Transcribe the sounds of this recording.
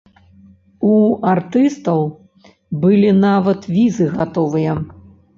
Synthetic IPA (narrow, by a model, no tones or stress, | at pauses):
uart̪ɨst̪ɐw | bɨlʲinavɐt̪vʲizɨɣat̪ɔvɨjɐ